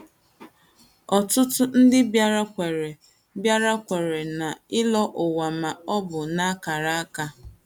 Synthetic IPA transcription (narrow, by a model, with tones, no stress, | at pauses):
ɔ˨tʊ˦tʊ˦n̩˦dɪ˦ba˦ɾa˦kʷe˨ɾe˨ | bja˦ɾa˦kʷe˨ɾe˨na˨ɪ˦lɔ˦ʔʊ˨wa˨ma˨ɔ˦bʊ˨na˦a˦ka˨ɾa˦a˦ka˦